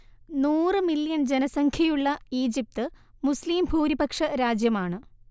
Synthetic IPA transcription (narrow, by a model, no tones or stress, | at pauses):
nuːrɨmiljɐnd͡ʑenɐsɐŋkʰjɐjuɭːɐiːd͡ʑip̚t̪ɨmusliːmbʱuːɾibɐkʂɐɾaːd͡ʑjɐmaːɳɨ